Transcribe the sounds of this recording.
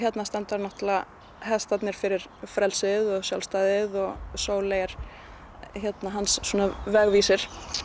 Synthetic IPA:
çjɛt̪nast̪ɛnt̪aɾnɔht̪la | hɛst̪at̪nɪɾ̥fɪɾɪɾ̥fɾɛlsɪðɔɣsjawlst̪aːðɪðɔɣsoːwleːjaɾ̥ | çjɛt̪naɦansːɔːnavɛɣviːsɪɾ̥

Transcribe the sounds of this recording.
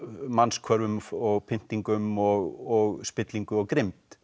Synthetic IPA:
manskʰvœɾvʏmɔɣpʰɪn̥t̪iŋkʏmɔɣɔɣspɪt̪liŋkʏɔɣkɾɪmt̪

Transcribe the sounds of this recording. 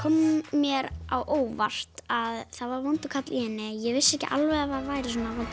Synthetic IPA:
kʰɔmːjɛɾa̰wʔoːwvar̥t̪aðθaðvaɾvɔnt̪ʏkʰat̪lʔinɪjɛɣvɪsːɛhcɪ̰ʔa̰lvɛðafaðvaːjɾɪsɔːnavɔnt̪

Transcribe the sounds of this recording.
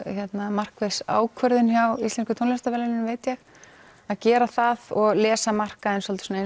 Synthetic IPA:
çjɛt̪namar̥kvesa̰ːwkʰvœɾðʏnçjawist̪ɛnskʏt̪ʰownɛst̪avɛlɛnnveːjt̪jɛɣ | aðcɛːɾaθaðɔɣlɛːsamar̥kaɛnsɔlt̪ɪ̥sɔnae

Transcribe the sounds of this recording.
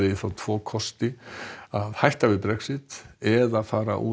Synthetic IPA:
ɪðɪfɾawt̪ʰv̥ɔːkʰɔst̪ɪaðhajht̪avɪðpɾɛksɪt̪ɛðaðfaːɾa̰ʔṵ

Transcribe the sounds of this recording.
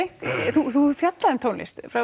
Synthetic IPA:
ɪhkθuθufjat̪laðʏmt̪ʰoːwnlɪ̰st̪fɾa

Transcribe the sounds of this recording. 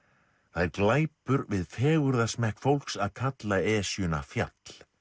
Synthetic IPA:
θaðɛɾklaːjpʏɾvɪðfɛːɣʏɾðasmɛhkfowlksaðkʰat̪laɛːsjʏna̰fja̰t̪l̥

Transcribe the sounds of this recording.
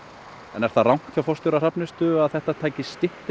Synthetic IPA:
ɛnɛɾ̥θaðrawŋ̥t̪θjawfɔwst̪ɔɾar̥apnɪst̪ʏaðθɛht̪at̪ʰaːjcɪst̪ɪht̪ɪ

